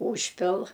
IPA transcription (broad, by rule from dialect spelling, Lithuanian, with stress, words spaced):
ˈuːʃʲpʲɪlˠ